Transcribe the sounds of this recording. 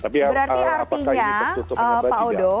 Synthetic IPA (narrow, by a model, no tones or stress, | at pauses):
bəɾariʔart̪iɲaəpaodo